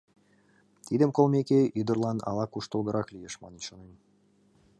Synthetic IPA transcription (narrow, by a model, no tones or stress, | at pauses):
t̪id̪əmkolˠmʲekeyd̪ə̆rlˠɑnɑ̰lˠɑkuʃt̪ə̆lˠɣə̆ɾʔɑklʲijeʃmɑnenʃonem